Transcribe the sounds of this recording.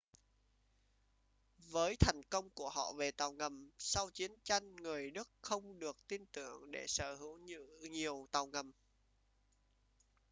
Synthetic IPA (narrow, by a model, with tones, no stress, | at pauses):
vəː˨˦jt̪ʰa˨˩jŋ̟kə˧wŋ͡mku˧˩əɦɔ̰˧˨ve˨˩t̪a˨˩wŋə˨˩msa˧wt͡ɕi˨˦ənt͡ɕa˧jŋ̟ŋɨ˨˩əjɗɨ˦˥k̚xə˧wŋ͡mɗɨ˨˩ək̚t̪i˧nt̪ɨ˧˩əŋɗe˧˩səː˧˩hɨ˨˦wɲɨ̰˧˨ɲi˨˩əwt̪a˨˩wŋə˨˩m